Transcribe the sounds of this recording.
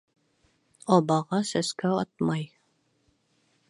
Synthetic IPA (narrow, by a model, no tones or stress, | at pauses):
ɒbɑʁɑsæskæɑt̪̚mɑj